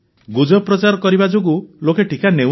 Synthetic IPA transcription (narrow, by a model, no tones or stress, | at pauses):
ɡud͡ʒɔpɾɔt͡ʃaɾɔkɔɾibad͡ʒoɡulokeʈʰikane